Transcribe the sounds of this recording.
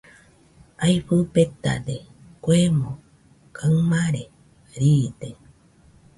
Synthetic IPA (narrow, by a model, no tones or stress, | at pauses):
ajɸɨpet̪a̰d̪e | kʷemõ | kʰamaɾe | ɾid̪e